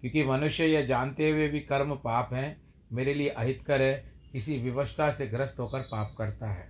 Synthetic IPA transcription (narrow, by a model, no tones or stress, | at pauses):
kjõːkimɐnʊʃjəjed͡ʒaːnt̪eɦuebʱikɐɾmpaːpɦɛ̃ | meːɾelieʔɐɦɪt̪kɐɾẽkɪsiʋjɐʋəst̪ʰaseɡɾəst̪ɦoːkəɾpaːp̚kɐɾt̪aɦɛː